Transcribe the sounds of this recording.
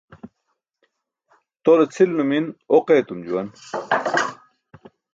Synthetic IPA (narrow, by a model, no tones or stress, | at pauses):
t̪olɐt͡sʰilnuminoqeːt̪umd͡ʑuwɐn